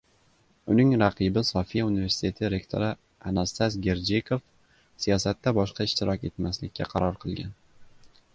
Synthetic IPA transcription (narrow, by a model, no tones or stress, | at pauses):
ʊnɪŋɾaqʰɨbɪsɒfijaunive̞ɾsɪ̥t̪ʰe̞t̪ʰɪɾe̞kt̪ʰo̞̰ɾɪ | a̰nast̪azɡʲe̞ɾd͡ʒekʰof | sijɒsat̪ːabɒʃqɑɪʃt̪ɪɾɒkʲe̞t̪maslɪkʲʰːaqʰɑɾɒɾqʰɨlˠɡʲan